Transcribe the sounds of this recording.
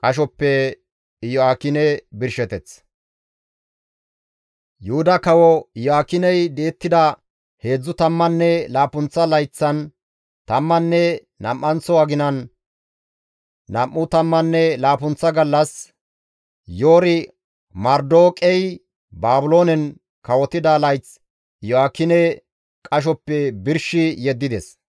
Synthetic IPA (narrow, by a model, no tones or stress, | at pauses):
kʼɐʃ̬ɔpːɛ | jɔaːkɪnɛbɪɾʃɛt̪ɛt͡s | jʊhʊd̪ɐkɐwɔjɔaːkɪnɛjd̪eːt̪ːɪd̪ɐ | he̞ːd͡zːʊt̪ɐmːɐnːɛlaːpʊnt͡sːɐlɐjt͡sːɐn | t̪ɐmːɐnːɛ | nɐ̰mːɐnt͡sɔɐɡɪnɐn | ɐmːʊt̪ɐmːɐnːɛlaːpʊnt͡sːɐɡɐlːɐs | jo̞ːɾɪ | mɐɾd̪o̞ːkʼɛj | baːbʊlo̞ːnɛn | kɐwɔt̪ɪd̪ɐlɐjt͡s | jɔaːkːɪnɛ | kʼɐʃ̬ɔpːɛbɪɾʃɪjɛd̪ːɪd̪ɛs